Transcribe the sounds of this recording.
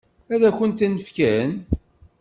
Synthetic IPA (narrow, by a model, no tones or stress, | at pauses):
æðæçənt̪nəfkæn